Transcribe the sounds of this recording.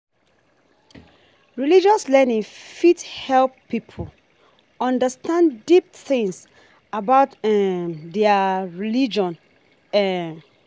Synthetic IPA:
ɹilid͡ʒɔslɛnĩŋfithɛlpːipʰol | ɔ̃ndəstãndip̚θɪ̃ŋs | abaʊtɛðɛaɹilid͡ʒɔ̃n | ɛ

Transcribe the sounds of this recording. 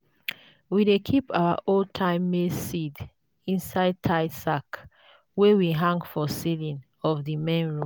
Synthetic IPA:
widekʰipʰawa̰ʔotʰãɪ̃mːesid | ĩnsaɪd̚tʰaɪsak | wɛwiɦãŋɡfɔsilĩn | ɔvðimẽnɹũ

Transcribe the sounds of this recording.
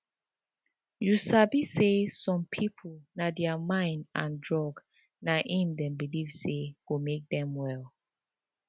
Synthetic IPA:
jusabisesɔ̃mpʰipʰolnadɛamãɪ̃ndãndɹɔɡ | naʔĩmdɛ̃nbilivseɡ̥omek̚dɛ̃mwɛlˠ

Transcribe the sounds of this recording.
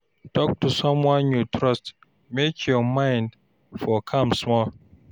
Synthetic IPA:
tʰɔk̚tusʌ̃mwɔ̃njutʰɹʌst | mekʰjɔmãɪ̃nd | fɔkʰʌ̃msmɔl

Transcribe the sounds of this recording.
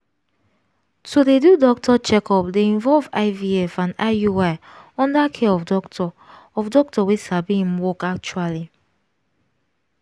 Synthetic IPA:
todedudɔk̚tʰɔt͡ʃɛkʰɔpdeĩɱvɔlva̰ɪviɛfãnajuwaɪɔ̃ndakʰeɔfdɔktɔ | ɔfdɔk̚tɔwesabiĩm̩wɔkak̚t͡ʃuali

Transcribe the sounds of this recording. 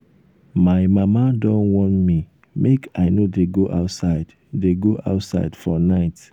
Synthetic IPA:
maɪmamadɔ̃nwɔ̃ntmi | mʔekʰaɪnodeɡoʔa̰ʊtsaɪd | deɡoʔa̰ʊtsa̰ɪdfɔnaɪt

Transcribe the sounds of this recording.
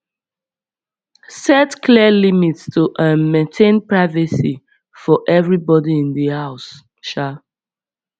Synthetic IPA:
sɛtkʰliəlimitstʰuʔãmẽntʰẽnpɹaɪvəsi | fɔʔɛvɹibɔdiĩndəhaʊs | ʃa

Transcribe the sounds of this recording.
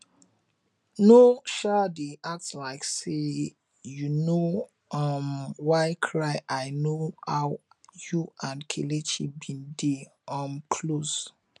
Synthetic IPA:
noʃadeʔak̚tslaɪkse | juno | ɔmwaɪkʰɹaɪʔaɪnohawjuãnkʰelet͡ʃibĩndeɔmkʰlos

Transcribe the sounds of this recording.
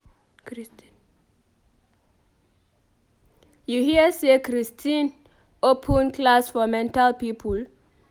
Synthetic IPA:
juhiəsekʰɾistʰĩn | opʰə̃nkʰlasfɔmɛ̃ntalpiːpʰəl

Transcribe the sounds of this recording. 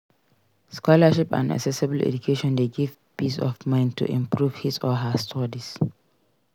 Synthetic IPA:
skɔlaʃipã̰na̰ksɛsibəl̩ɛ̰d͡ʒukʰeʃɔ̃ndeɡiv | pisɔ̰fmãɪ̃ntʰṵʔḭ̃mpɹuv̥hisɔɦastʰɔɹis

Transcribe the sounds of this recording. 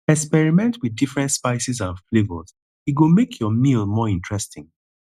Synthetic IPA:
ɛkspɛɹimɛ̃ntwiðdifɹɛ̃ntspaɪsizãnflebəlz̥ | iɡumekʰjɔmilmɔĩntʰɹɛstɪ̃ŋ

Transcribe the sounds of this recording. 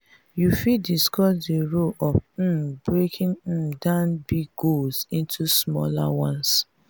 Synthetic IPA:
jufidiskɔsdiɹoʔɔf̩bɹekʰĩŋ̩dãnbiɡɡolsĩntʰusmɔ̰la̰wɔ̃ns

